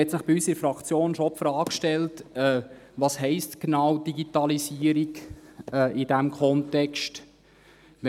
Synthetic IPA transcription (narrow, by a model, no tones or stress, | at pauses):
ɛtsɪχb̥iysəɾəfɾɑkt͡sjoːnʃɔpfɾɑːkʃtɛltɛ | vɑshɛɪstknɑwd̥iɡitɑlisiəɾikɛːʔɪd̥æmkʰɔntɛkst